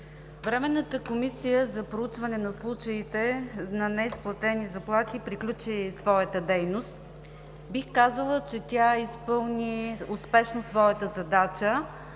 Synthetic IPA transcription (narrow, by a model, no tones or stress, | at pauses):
vɾɛmɛnːət̪əkomisijəzɐpɾout͡ʃvɐnɛnɐslˠut͡ʃəit̪ɛnɐnɛisplˠɐt̪ɛnizɐplˠaxipɾiklʲut͡ʃisvɔjət̪əd̪ɛjnost̪ | bixkazəlˠət͡ʃɛt̪ʲjaispɤlˠniʊspɛʃnosvɔjət̪əzɐd̪at͡ʃə